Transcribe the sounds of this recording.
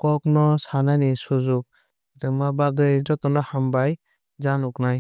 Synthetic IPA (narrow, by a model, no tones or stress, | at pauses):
kɔk̚nɔsanajnisuzuk̚ | tɯmabaɡɯjd͡ʒɔtɔnɔhambaj | zanuknaj